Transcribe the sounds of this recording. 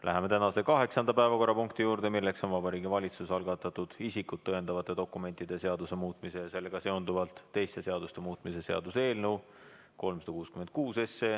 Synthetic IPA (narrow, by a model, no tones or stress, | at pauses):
lʔæ̰ɦe̞met̪ænɑse̞kɑɦe̞ksɑnd̪ɑpæevɑko̞ɾːɑpuŋkt̪ijuːɾd̪e̞milːe̞kso̞nvɑbɑɾiːɡivɑlʲit̪susɑlɡɑt̪ːˑɑt̪ːud̪̥isikːut̪̚t̪ːɤend̪ɑvɑt̪ːˑe̞d̪̥o̞kːˑume̞nʲt̪ːˑid̪̥e̞se̞ɑd̪use̞muːt̪ˑmise̞jɑse̞lːe̞ɡ̥ɑse̞ond̪uvɑlt̪ˑːe̞jst̪e̞se̞ɑd̪̥ust̪e̞muːt̪ˑmise̞se̞ɑ̰d̪̥use̞ːlnew | ko̞lmsɑd̪ɑkuːskyme̞nt̪̚kuːse̞sːe